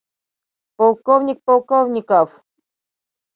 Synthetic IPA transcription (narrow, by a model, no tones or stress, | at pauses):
polˠkovnʲɪk̚polˠkovnʲɪkɔf